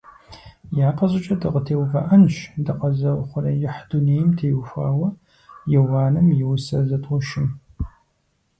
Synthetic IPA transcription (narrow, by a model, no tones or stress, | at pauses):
jaːqɐʑɪt͡ʃʼɐdɨʁətʰeːwvɐ̰ʔɐnɕdɐqɐzɐwχʷʊrɐjɪħduneːjɪmtʰeːwfʷa̰ːwɐ | jɪwaːnɨmjɪwsɐzɐtʼʊʃɪm